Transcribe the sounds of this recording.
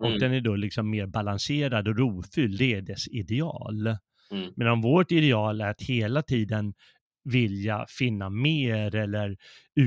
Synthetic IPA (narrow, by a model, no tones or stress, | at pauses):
ɔk̚d̪ɛnæɖolɪksɔmːeːɾbalanseːɾad̪ɔɾuːfʏld̪ɛæɖɛsɪd̪ɛɑ̰ːl | mɛnɔmvoːʈɪd̪ɛɑːlæɾat̪heːlat̪ʰiːd̪ən | vɪljafɪnːameːɾɛlːəɾ | ʉ̟